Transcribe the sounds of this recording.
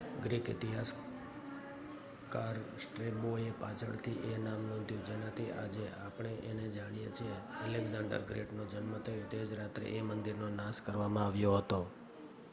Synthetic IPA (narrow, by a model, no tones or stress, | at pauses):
ɡɾikɪ̰t̪iɦas | kaɾsʈɾeboepat͡ʃʰəɭt̪ʰiʔenamnɔ̃t̪jũd͡ʒenat̪ʰiʔa̰d͡ʒeapɳ̃eʔened͡ʒaɽijet͡ʃʰieəleɡzãɳɖə̰ɾɡɾḛʈnod͡ʒənmət̪ʰəjot̪ed͡ʒɾat̪ɾḛʔemənd̪iɾnonaskəɾʋamãaʋjoɦət̪o